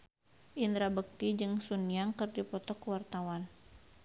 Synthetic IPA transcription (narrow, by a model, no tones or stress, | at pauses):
ʔind̪ɾabək̚t̪id͡ʒɨŋsuniaŋkɨrdipɔt̪ɔkəwart̪awan